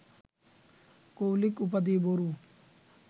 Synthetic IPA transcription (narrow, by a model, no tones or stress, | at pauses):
koːlɪkup̬əd̪iːboɾuː